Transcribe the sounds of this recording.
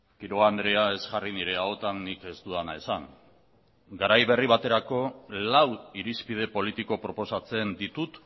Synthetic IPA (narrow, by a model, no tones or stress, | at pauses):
kiɾo̞and̪ɾe̞ae̞zʝariniɾe̞aot̪anːike̞st̪uðanae̞saŋ | ɡaɾajβe̞riβ̞at̪e̞ɾako̞lawiɾispið̞e̞po̞lit̪iko̞pɾo̞po̞sat͡se̞nd̪it̪ut̪